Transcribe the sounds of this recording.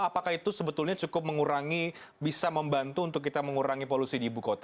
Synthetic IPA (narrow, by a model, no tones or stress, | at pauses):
apakahit̪usəbət̪ʊlɲat͡ʃukʊp̚məŋuɾaŋi | bisaməmbant̪uːnt̪ʊk̬ːit̪aməŋuɾaŋipolusidiːbukot̪a